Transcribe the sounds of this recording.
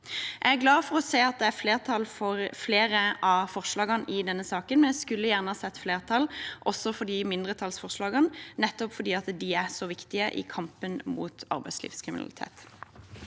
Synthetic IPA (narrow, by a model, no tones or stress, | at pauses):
ʔæɪæɡlɑːfɔʁɔseːɑt̪̚d̪ɛæɾfleːʁt̪ʰɑlfɔʁfleːɾəʔɑfɔʁʂlɑːɡɑnʔɪd̪ɛnːəsɑːkənmɛnjæɪskʉlːəjæːʁnəhɑːsɛt̪ːfleːʁt̪ʰɑlʔɔsːɔfɔd̪iːmɪnd̪ʁət̪ʰɑlsfɔʁʂlɑːɡɑnnɛt̪ːɔpfɔd̪iːɑt̪d̪iæsɔʋɪkt̪ɪəʔɪ̰kʰɑmpənmṵːt̪ɑ̰ɾbæɪslḭːʋskʰɾɪmɪnɑ̰lɪ̰t̪ʰḛːt̪